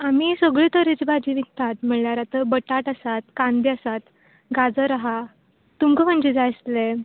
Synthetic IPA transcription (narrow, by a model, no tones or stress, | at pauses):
amiːsəɡɭiːt̪əɾit͡sbad͡ʑiːʋik̚t̪at̪m̤əɭljaɾat̪əbəʈaʈəsat̪̚kand̪iəsat̪ | ɡad͡zəɾaɦa | t̪umkəm̤əɳd͡ʑid͡zajst̪le